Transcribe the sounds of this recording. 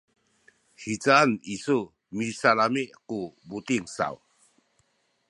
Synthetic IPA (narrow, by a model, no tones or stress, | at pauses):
hit͡sanisu | misalameʔkubut̪iŋsa̰w